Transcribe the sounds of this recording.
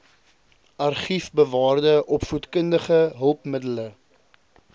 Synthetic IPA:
ɐrχifbəvɑːrdəʔɔpfutkəndəχəɦəlˠpmədələ

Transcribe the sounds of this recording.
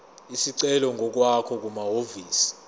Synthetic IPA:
isiǀɛlɔŋʱɔk̬wakʰɔk̬umaɦoviːsi̥

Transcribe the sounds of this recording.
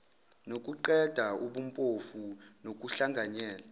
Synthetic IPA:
nok̬ʼuǃɛd̥ʱauɓumpʼofunok̬ʼuɬaŋɡʱaɲɛːla

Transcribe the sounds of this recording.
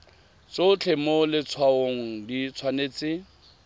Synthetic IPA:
t͡sot͡ɬʰemolɪt͡sʰwaoŋ̩dit͡sʰwaneːt͡sɪ

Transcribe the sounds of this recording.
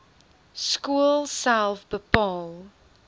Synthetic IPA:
skulˠsalˠfbəpɔl

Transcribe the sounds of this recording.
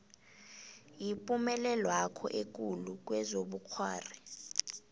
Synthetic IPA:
jipʼumɛlɛlwakʰɔ̰ʔek̬ʼuluk̬ʼwɛzoɓukʰwa̰ːri

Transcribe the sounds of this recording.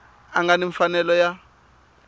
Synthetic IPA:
aŋɡaniɱfanɛlɔja

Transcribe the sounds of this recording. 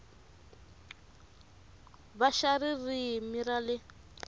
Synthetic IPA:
βaʃaririmiralɪ

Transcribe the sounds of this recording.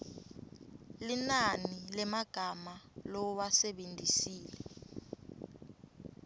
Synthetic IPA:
linanilɛmaɡ̥ʱamalɔwasɛɓendʱisiːlɛ

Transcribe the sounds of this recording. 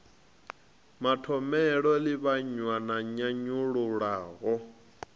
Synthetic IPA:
matʰɔmɛɺɔliβaɲwanaɲaɲuɺuɺaːɣɔ

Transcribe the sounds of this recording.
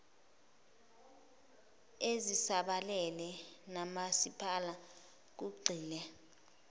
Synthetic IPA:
ezisaɓalɛlɛnamasipʰala | k̬uɡ͡ǀʱiːlɛ

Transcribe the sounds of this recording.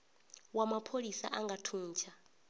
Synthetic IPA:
wamapʰolisa̰ʔaŋɡatʰuːnt͡ʃʰa

